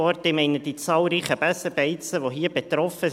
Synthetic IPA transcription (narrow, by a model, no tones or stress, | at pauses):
ɔrtdɪmɛɪnəd̥it͡sɑːlɾiːχəb̥ɛsəbɛɪt͡səʋoɦiːəb̥et̪ɾɔfə